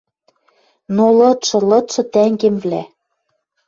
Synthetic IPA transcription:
nolɤ̆t̪ʃɤ̆lɤ̆t̪ʃɤ̆t̪æŋɡĕmvlæ

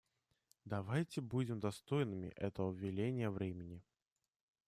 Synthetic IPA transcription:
d̪ɐvajtʲɪbudʲɪmd̪ɐst̪o̞jnɨmʲɪ̰ʔɛt̪əvəvvʲːɪlʲenʲɪjəvɾʲemʲɪnʲɪ

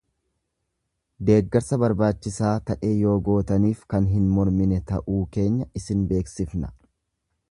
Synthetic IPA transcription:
d̪e̞ːɡːɛɾsɐbɐɾbaːt͡ʃːɪsaːt̪ɐʔe̞ːjo̞ːɡo̞ːt̪ɐniːfkɐnɦɪnmɔɾmɪnɛt̪ɐʔuːke̞ːɲːɐɪsɪnbe̞ːksɪfnɐ̥

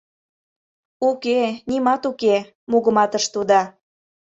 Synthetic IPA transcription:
ukenimɑt̪uke | muɣə̆mɑt̪əʃt̪ud̪ɑ

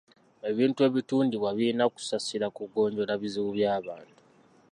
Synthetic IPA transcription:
e̞βiːntue̞ːβituːndiβwaβiːnaku̥sasiɾakuɡo̞ːɲɟo̞ɾaβiziβuβjaːβaːntu̥

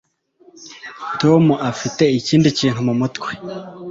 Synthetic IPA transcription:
tomuʔafite̞iciːndiciːn̥humumutwe̥

